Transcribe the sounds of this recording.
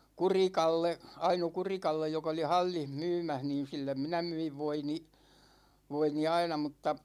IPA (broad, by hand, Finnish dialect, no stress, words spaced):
kurikɑlːe ɑino kurikɑlːej jokɑ̆ oli hɑlʲːih myːmæh niːn̞ silːem minæ myiʋ ʋoini ʋoini ɑinɑ mutːɑ